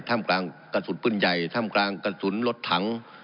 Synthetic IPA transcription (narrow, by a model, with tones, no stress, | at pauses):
t̪ʰaː˧˥˩mklaː˧ŋka˧suː˨˩˦npɯ˧˩˨nja˨˩jt̪ʰaː˧˥˨mklaː˧ŋka˧suː˩˦nlo˧t̪ʰːa˨˦ŋ